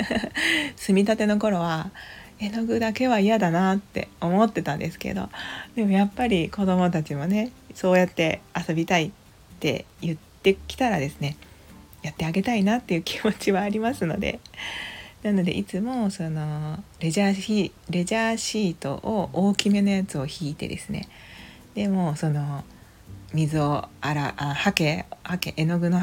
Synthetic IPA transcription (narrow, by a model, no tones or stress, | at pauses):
sɨmʲit̪at̪e̞no̞ko̞ɾo̞βa | e̞no̞ɡɯ̟d̪ake̞βaijad̪anat̪ːe̞̰o̞mo̞t̪ːe̞t̪ãnd̪e̞sɨ̥ke̞̰d̪o̞̰d̪̥e̞mo̞japːaɾʲiko̞d̪o̞mo̞t̪at͡ɕimo̞ne̞so̞ːjat̪ːe̞aso̞bʲit̪ai | t̪ːe̞̰jɯ̟t̪ːe̞kʲi̥t̪aɾad̪e̞sɨne̞ | jat̪ːe̞aɡe̞t̪ainat̪ːe̞jɯ̟kʲʰi̥mo̞t͡ɕiβaːɾʲimasɨno̞d̪e̞̰ | nano̞d̪e̞̰ʔit͡sɨmo̞so̞no̞ɾeaːi | ɾe̞ʑaːɕiːt̪o̞̰ʔooːkʲime̞no̞jat͡sɨo̞çiːt̪e̞̰d̪e̞̰sɨne̞̰ | d̪e̞mo̞ːso̞no̞ | mʲizɨo̞aɾaʔahakehakḛʔeno̞ɡɯ̟no